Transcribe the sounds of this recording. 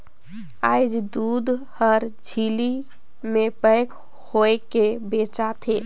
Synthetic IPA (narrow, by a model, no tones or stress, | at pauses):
ajd͡ʒd̪ud̪həɾd͡ʒʱili | mepəjk | hoekebet͡ʃat̪ʰe